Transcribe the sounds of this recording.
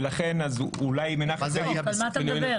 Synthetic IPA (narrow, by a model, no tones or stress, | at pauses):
laχenazulajmenaχelmat̪al